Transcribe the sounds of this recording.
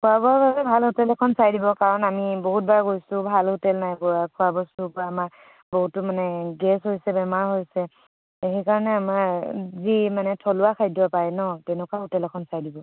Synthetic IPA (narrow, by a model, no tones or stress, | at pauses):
kʰuabɔɹbabɛbʱalɦʊtɛlɛkʰɔnsajdibɔkaɹɔnamiboɦut̚baɹɡojsʊ̃bʱalhʊtɛlnajbɔakʰʊabɔsubɔamaɹ | boɦutːʊmanɛɡɛsɦojsɛbɛmaɹɦojsɛ | eɦɛkaɹɔnɛamazimanɛtʰɔlʊakʰajdapajnɔtɛnɛkwaɦutɛlɛkʰɔnsajdibɔ